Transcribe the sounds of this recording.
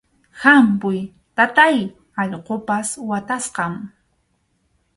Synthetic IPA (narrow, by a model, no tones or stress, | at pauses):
hampʊj | t̪at̪aj | ɑʎqopaswat̪asqɑm